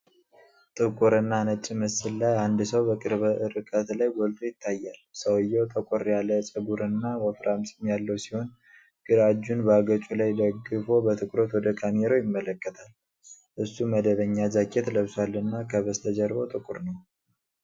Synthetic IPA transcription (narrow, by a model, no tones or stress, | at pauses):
t̪ʼɨkʼuɾɨnːanət͡ʃʼːɪmɨsɨllajand̪səwbəkʼɨɾβəʔɨɾɨkʼət̪lajɡɔlt̪ʰojɪt̪ʰːajːalsəwɨjːɛwt̪ʰʼəkʼoɾjalət͡ʃʼəɡuɾɨnːawəfɾʔamsɨmjalːəwsiho̞n | ɡ̥ɨɾad͡ʒːunbəaɡət͡ʃʼulajd̪əɡɨfo̞bət̪ʰɨkʼɾo̞t̪wɔd̪əkʰameɾojɪmːələkʼːət̪ʰal | ʔɨsːuməd̪əβəɲːazakʼːet̪ləβsalːɨnːakʰəβəst̪ʰəd͡ʒəɾbowt̪ʼɨkʼuɾnəw